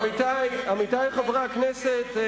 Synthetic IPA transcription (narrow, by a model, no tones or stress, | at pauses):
mit̪ajamitajχavʁaknɛset